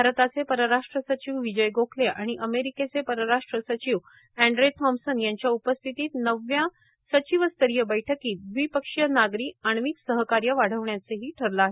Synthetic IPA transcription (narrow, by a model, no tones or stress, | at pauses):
bʱaɾət̪at͡sepəɾəɾaʂʈɾəsət͡ɕiʋʋid͡ʑəjɡokʰleʔaɽ̃iʔəmeɾiket͡sepəɾəɾaʂʈɾəsət͡ɕiːʋ | æ̃ɳɖɾojt̪ʰɔmsənjaɲt͡ɕjaupəst̪ʰit̪iːt̪nəʋja | sət͡ɕiʋəst̪əɾijəbəjʈʰəkiːt̪̚ʋipəkʂijənaɡɾiːaɳ̃ʋiːksəɦəkaɾjəʋaɽ̤əʋɳjat͡səɦiːʈʰəɾlaaɦe